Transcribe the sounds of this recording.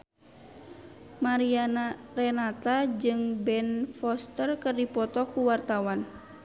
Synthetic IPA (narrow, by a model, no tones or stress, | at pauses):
maɾianrɛnat̪ad͡ʒɨŋbɛnfɔst̪ərkɨrdipɔt̪ɔkuwart̪awan